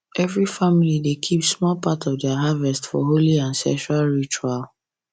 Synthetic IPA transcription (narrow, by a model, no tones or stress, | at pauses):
ɛvɹifamilidekʰipsmɔlpatʰɔvdaɦavɛstfɔ̰ɦoliãnsɛ̰kʃualɹit͡ʃual